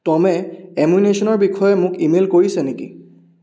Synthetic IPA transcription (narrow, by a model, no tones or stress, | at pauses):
tɔmɛemunesɔnɔɹbikʰɔjɛmʊkimelkoɹisɛnekḭ